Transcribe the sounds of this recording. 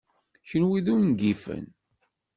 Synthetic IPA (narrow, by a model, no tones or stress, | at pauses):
çənwiðunɡifə̰n